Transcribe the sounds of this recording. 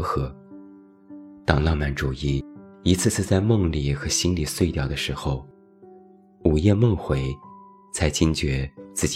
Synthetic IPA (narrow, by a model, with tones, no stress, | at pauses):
xɤ˧˥ | t̪ɑ˨˩ŋlɑ˥˩ŋma˨˧˥nʈ͡ʂu˨˩i˥˩i˧˥t͡sʰɹ̩˥˧t͡sʰɹ̩˥˧t͡sa˥˧ɪmɤ˥˧ŋli˨˩xɤ˧˥ɕi˥nli˨˩swe˥˧ɪt̪jɑ˥˩ʊd̪ə˩ʂɻ̩˧˥xo˧ʊ | u˨˩jɛ˥˧mɤ˥˩ŋxwe˧˥ɪ | t͡sʰa˧˥ɪt͡ɕi˥ŋt͡ɕɥɛ˧˥t͡sɹ̩˥˩t͡ɕ